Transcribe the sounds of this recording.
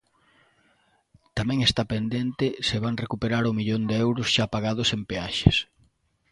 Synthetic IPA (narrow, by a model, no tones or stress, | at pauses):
t̪amɛ̃ŋest̪apend̪ent̪ɪsɪβaŋrekupeɾaɾʊmiʎond̪eɛwɾʊsʃapaɣað̞ʊsempeaʃḛs